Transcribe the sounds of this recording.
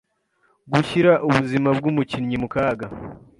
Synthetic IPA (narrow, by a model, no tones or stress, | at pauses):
ɡuçiɾaʔuβuzimab̚ɡumucinɲimukaːɡa